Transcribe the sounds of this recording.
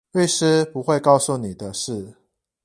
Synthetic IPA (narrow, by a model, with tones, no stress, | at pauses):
we˥˩ɪʂɻ̩˥˦pu˧˦xwe˥˧ɪkɑ˥˧ʊsu˥˨ni˨˩d̪ə˦ʂɻ̩˥˩